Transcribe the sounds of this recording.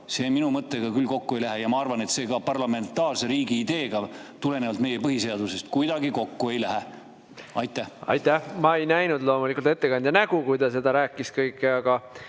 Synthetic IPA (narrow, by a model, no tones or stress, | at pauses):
seːminumɤt̪ːˑeɡ̥ɑkylːko̞kːue̞jlæɦejɑmɑɑrvɑne̞t̪se̞ːɡɑpɑrlɑme̞nt̪ˑːɑːrseɾiːɡiːd̪e̞ːɡɑt̪ule̞nevɑlt̪me̞jepɤɦise̞ɑd̪use̞st̪̚kujd̪ɑɡiko̞kːue̞jlæɦe | ɑ̰jt̪ˑːæhɑ̰jt̪ːæhmɑe̞jnæjnud̪lo̞ːmulikult̪e̞t̪ːe̞kɑnʲd̪jɑnæɡ̥ukujd̪̥ɑse̞d̪̥ɑɾæːkːˑiskɤjkːˑeɑɡ̥ɑ